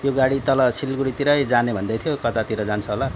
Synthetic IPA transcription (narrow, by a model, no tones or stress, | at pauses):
joɡaɽit̪ʌlʌsilɡuɽit̪iɾʌjd͡zanebʱʌnd̪ʌjt̪ʰijokʌt̪at̪iɾʌd͡zant͡sʰʌɦola